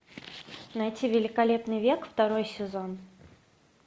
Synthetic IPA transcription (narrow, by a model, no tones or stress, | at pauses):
nɐjtʲivʲɪlʲɪkɐlʲe̞pnɨjvʲe̞kft̪ɐɾojsʲɪzo̞n